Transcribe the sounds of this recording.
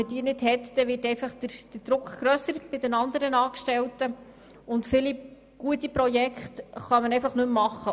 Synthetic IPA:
ədiːnɪdhɛtd̥ɛʋɪtɛɪfɑχd̥əd̥əd̥ɾʊkɡ̥ɾœsəɾb̥ɪdɛnɑnd̪əɾənɑːkʃtɛltə | ʊntfɪli | ɡ̥uətipɾɔjɛkχtχɑmənɛɪfɑχnɵmːɑχːə

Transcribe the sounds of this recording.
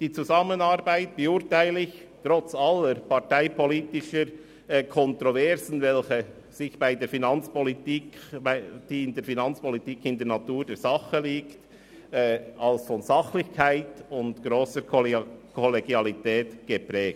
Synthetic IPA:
d̥iːt͡suzɑmənɑɾbaɪt̚b̥əuːɾtaɪlɪçtɾɔt͡sɑlːəɾpɑʁtaɪpʰɔliːtɪʃəɾ | kʰɔntɾovɛɾzn̩vɛlçə | sɪçb̥aɪdeːɾfinɑnt͡spɔlitikad̥iːɪndɛːɾfinɑnt͡spɔlitiːkɪndɛɾnɑtuːɾdɛːɾzɑχəliːkt | ɛɑlsfɔnzɑχlɪçkʰaɪtʊndɡ̥ɾoːsəkʰɔleɡjɑlitɛːtɡ̥əpɾɛːɡ̥̚

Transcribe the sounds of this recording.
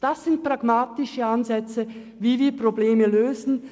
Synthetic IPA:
d̥asz̥ɪnt̚pʁ̥aɡmaːtɪʃəanzɛt͡sə | viːviːɐpʁ̥obleːməløːzn̩

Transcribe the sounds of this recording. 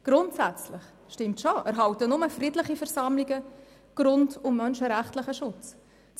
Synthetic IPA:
ɡ̥ɾʊntsæt͡slɪχ | ʃtɪmtʃoʔæ̰ɾɦɑwtənʊməfrɪdlɪχifɛɾsɑmliɡə | ɡ̥ɾʊndʊmːœnʃəɾæχtləχəʃʊt͡s | t͡s

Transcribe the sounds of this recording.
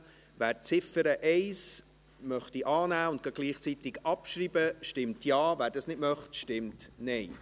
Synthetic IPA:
væːɾt͡sɪfəɾəʔɛɪs | mœχtiʔɑːnæːʊntɡ̥ɑɡ̥liːχt͡sit̪ɪɡɑpʃɾiːbəʃtɪmtʰjɑːvæːɾdɑsnɪtmœχtʃtɪmtnɛɪ

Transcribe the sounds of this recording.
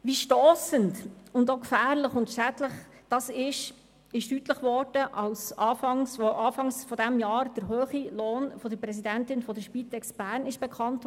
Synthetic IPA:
ʋiʃtoːsəntʊndokfæːɾlɪχʊntʃædləχd̥ɑsɪʃ | ɪʃtytləχvɔɾd̥əʔɑlsɑːfɑŋsfoʔɑːfɑŋsfɔdæmjɑːɾd̥əɾɦøːχiloːnfɔdəɾpɾɛs̬idæntɪnfɔdəʃpitɛksb̥æːɾnɪʃb̥ɛkʰχɑnt

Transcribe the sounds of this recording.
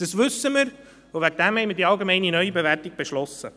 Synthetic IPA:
d̥əsʋʏsːəməɾ | ovæɡ̚dɛmhɛɪməɾdiːɑlɡemɛɪninœʏibevɛrtiɡ̥̚b̥eʃlɔsə

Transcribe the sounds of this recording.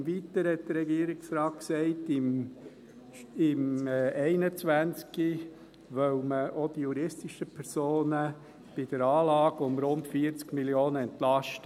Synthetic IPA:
mʋitəɾhɛt̚d̥̪əɾːɛɡiəɾɪksɾɑːt̚ksɛɪtɪm | ɪmːɛɪnət͡sʋænt͡ski | ʋœwməʔod̥ijuɾɪstiʃəpʰɛɾsoːnə | b̥ɪdəɾɑːlɑːɡʊmɾʊntfiəɾt͡skmiljoːnəɛntlɑʃtə

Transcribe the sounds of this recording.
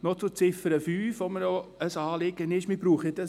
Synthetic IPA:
not͡sʊt͡sɪfəɾəfyːfomənoəsɑːlɪɡənɪʃmib̥ɾuːχɪdɑ

